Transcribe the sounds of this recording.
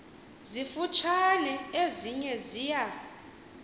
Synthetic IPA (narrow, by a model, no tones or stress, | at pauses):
zifut͡ʃʰanɛeziɲɛziːja